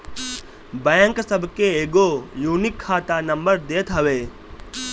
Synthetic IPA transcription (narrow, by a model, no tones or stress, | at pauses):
bɛ̃ːŋksəbʱkeeːɡojuːnɪkʰːaːt̪anə̃mbəɾd̪eːt̪ɦəʋeː